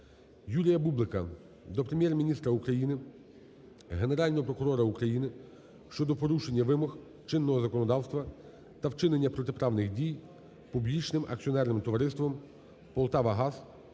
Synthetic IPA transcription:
julʲijɐbublˠɪkɐ | d̪ɔpɾemʲjɛrmʲinʲist̪ɾɐukɾɐjinɪ | ɦe̞ne̞ɾɑlʲnɔɦɔpɾɔkʊɾɔɾɐukɾɐjinɪ | ʃt͡ʃɔd̪ɔpɔɾuʃenʲːɐʋɪmɔx | t͡ʃɪnːɔɦɔzɐkɔnɔd̪ɑwst̪ʋɐ | t̪ɐwt͡ʃɪnenʲːɐpɾɔt̪epɾɑʋnɪxdʲij | publʲit͡ʃnɪmʔɐ̰k̚t͡sʲsʲiɔnɛrnɪmt̪ɔʋɐɾɪst̪ʋɔm | pɔlˠt̪ɑʋɐɦɑs

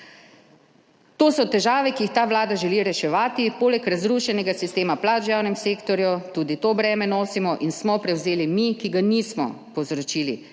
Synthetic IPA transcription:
t̪oːsɔt̪ɛʒaːʋɛkiixt̪aːʋlaːd̪aʒɛliɾɛʃɛʋaːt̪ipoːlɛkɾazɾuːʃɛnɛɡasist̪eːmaplaːd͡ʒjaːwnɛmseːkt̪ɔɾjut̪uːd̪it̪oːbɾɛːmɛnoːsimɔʔinsmɔpɾɛwzeːlimikiɡaniːsmɔpɔwzɾɔt͡ʃiːlḭ

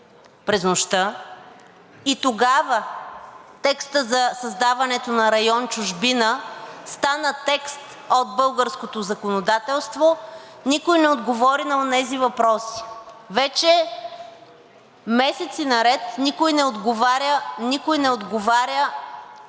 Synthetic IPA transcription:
pɾɛznoʃt̪ə | it̪oɡavə | t̪ɛkst̪əzɐsɐzd̪avɐnɛt̪onɐɾɐjɔnt͡ʃʊʒbinəst̪anət̪ɛkst̪ | od̪̚bɤlˠɡəɾskot̪ozɐkonod̪at̪ɛlˠst̪vo | nikojnɛod̪ɡovɔɾinɐonɛzivɐpɾɔsi̥vɛt͡ʃɛ | mɛsɛt̪sinɐɾɛt̪nikojnɛod̪ɡovaɾʲənikojnɛod̪ɡovaɾʲə

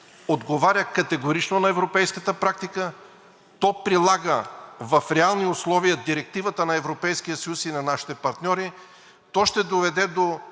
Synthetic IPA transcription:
od̪ɡovaɾʲjəkɐt̪ɛɡoɾit͡ʃnonɐɛvɾopɛjskət̪əpɾak̚t̪ikə | t̪ɔpɾilˠaɡəvɐfɾɛalˠniʊslˠɔvijəd̪iɾɛk̚t̪ivət̪ənɐɛvɾopɛjskijəsəjusinɐnaʃi̥t̪ɛpɐɾt̪nʲɔɾi | t̪ɔʃt̪ɛd̪ovɛd̪ɛd̪o

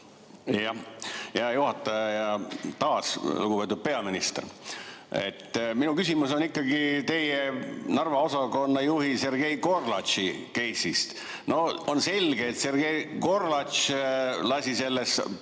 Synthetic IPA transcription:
jɑjɑjuhɑt̪ːˑɑjɑjɑt̪ɑːsluɡupe̞ːt̪ud̪̚pe̞ɑminist̪er | e̞̰t̪ːminukysimuso̞nikːɑɡ̥it̪e̞jenɑrvɑo̞sɑko̞nːɑjuhise̞rɡ̥e̞jko̞rlɑt̪t͡ʃike̞jsist̪ | no̞onse̞lʲɡ̥eːt̪se̞rɡ̥e̞jko̞rlɑt̪t͡ʃlɑsʲise̞lːes

